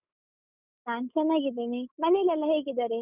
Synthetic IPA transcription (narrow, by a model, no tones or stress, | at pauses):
naːnsɐnaːɡid̪eːnimɐnelɛlːɐɦeːɡid̪aːɾe